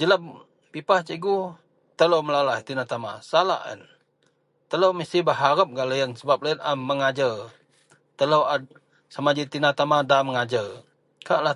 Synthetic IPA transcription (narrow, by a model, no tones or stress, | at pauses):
d͡ʒələm | pipaht͡ʃəɡu | t̪əlowməlalait̪inat̪ama̰sala̰ʔə̰n | t̪ələwməsibəɦaɾəp̚ɡaləjənsəbap̚laənaməŋad͡ʒə | t̪ələwa | samad͡ʒit̪inat̪amadaməŋad͡ʒə | kaʔla